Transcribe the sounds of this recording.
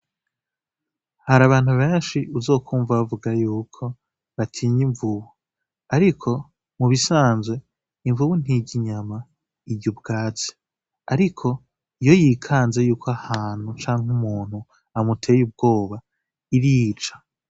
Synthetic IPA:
haɾaβaːn̥huβe̞ːnʃiʔuzo̞ːkʰuːɱvaβavuɡajuːkʰo̞ | βatʰiːɲiɱvuβu | aɾikʰo̞ | muβisaːnzwe̞ | iɱvuβun̥iɟiɲama | iɟubɡaːt͡se̥ | aɾikʰo̞ | ijo̞jiːkʰaːnze̞juːkoahaːn̥hut͡ʃaːŋɦumuːn̥u | amutʰe̞ːjub̚ɡo̞ːβa | iɾiːt͡ʃḁ

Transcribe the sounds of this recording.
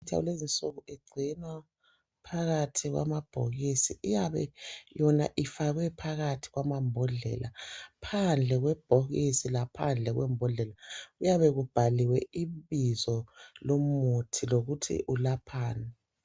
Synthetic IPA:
tʰa̰ṵlezint͡sʼuɣueɡ͡ǀʱinwa | pʰaɣatʰiɣwa̰mab̥ʱoɣisḭijaβɛ̰jɔna̰ʔifaɣwɛpʰaɣatʰi̥ɣwamambʱɔɮɛ̰lʔa̰pʰand͡ɮʱɛɣwɛb̥ʱoɣisilapʰand͡ɮʱɛɣwɛ̰mbʱɔɮɛlaɣujaβɛɣub̥ʱaliwɛiβizɔlomutʰiloɣutʰḭʔulapʰaːna

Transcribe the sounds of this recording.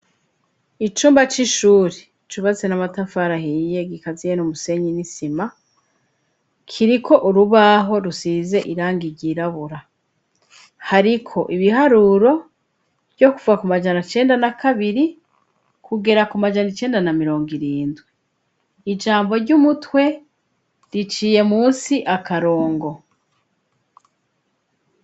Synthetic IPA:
it͡ʃuːmbat͡ʃiʃuːɾe | t͡ʃuβat͡senamatafaɾahije̞ɡikazijenumuse̞ɲinisima | kʰiɾikʰo̞ʔuɾuβaɦo̞ɾusize̞ʔiɾaːŋɡiɾɟiːɾaβuɾa | haɾikʰo̞̰ʔiβiɦaɾuɾo̞̥ | jo̞kuvuakumad͡ʒanat͡ʃe̞ːndanakaβiɾi | kuɡe̞ɾakumad͡ʒanit͡ʃe̞ːndanamiɾo̞ːŋɡiɾiːndwiː | d͡ʒaːmbo̞ɾɟumutwe̞ | ɾit͡ʃiːje̞muːnsiʔakaɾo̞ːŋɡo̞

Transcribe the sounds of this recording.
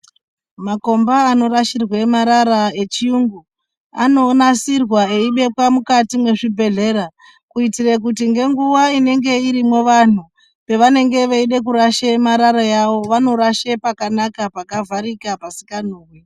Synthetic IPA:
mako̞mbaːno̞ɾaʃirwemaɾaɾae̞t͡ʃiuŋɡu | a̰no̞nasirwae̞iɓe̞kwamukatimwe̞ʐibʱe̞ɮe̞ɾa | kuitirek̬utiŋɡe̞ŋɡuwaine̞ŋɡe̞iɾimwo̞ʋan̤u | pe̞ʋane̞ŋɡe̞ʋeiɗek̬uɾaʃemaɾaɾajaʋo̞ʋano̞ɾaʃepakanakapakavʱaɾikapasi̥kanoːwe

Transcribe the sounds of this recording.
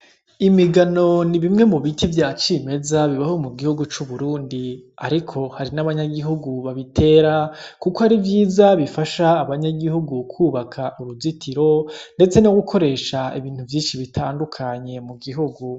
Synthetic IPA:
imiɡano̞niβimŋe̞muβitʰivjaːt͡ʃime̞zaβiβaho̞muɡihuɡut͡ʃuβuɾuːndiaɾikʰo̞haɾinaβaɲaɡiɦuɡuβaβitʰe̞ːɾakukohaɾivjiːzaβifaʃaːβaɲaɡihuɡukʰuːβakʰaʔuɾuzitʰiɾo̞nde̞t͡seno̞ɡukʰo̞ɾe̞ːʃaiβiːn̥huvjiːnʃiβitʰaːndukʰaɲe̞muɡiɦuɡu

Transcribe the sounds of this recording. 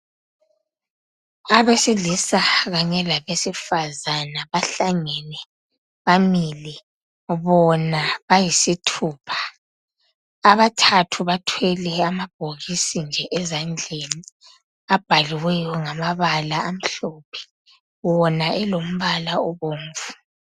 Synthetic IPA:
aβesiɮisaɣaɲɛlaβesifazanaβaɬaŋɛnɛ | βamilɛ | βɔnaβajisitʰuːpʰḁ | aβatʰatʰuβatʰwɛlɛamab̥ʱoɣisind͡ʒʱɛʔɛzand͡ɮʱeni | ab̥ʱaliwɛjɔŋamaβalaam̩ɬopʰɛ̥ | wɔnaɛlom̩βalaɔβoːɱ̩vu

